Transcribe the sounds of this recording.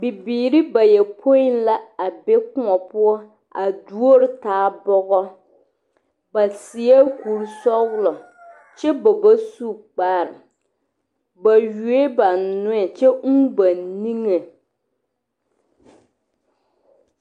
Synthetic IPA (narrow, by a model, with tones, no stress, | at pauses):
bi˨biː˨ɾi˦ba˨jɛ˨pʰo˦ɪ˦n˦la˦a˨be˦kʊ˦ŋɔ˨pʊ˦ɔ˦ | a˨du˦o˦ɾɪ˨taː˨˦bɔ˦ɣɔ˦ | ba˨si˨ɛ˦ku˨ɾsɔ˦ɣlɔ˨ | t͡ʃɛ˦ba˨ba˦su˦k͡paː˨ɾɪ˨ | ba˨ju˨e˦ba˨n˨nʊ˦ɛ˨t͡ʃɛ˦ba˨nni˦ŋe˨